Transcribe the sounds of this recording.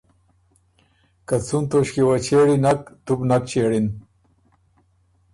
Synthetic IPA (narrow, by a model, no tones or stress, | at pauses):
kɐt͡sunt̪oɕkiwɐt͡ɕeːɽinɐkt̪ubnɐk̚t͡ɕeːɽin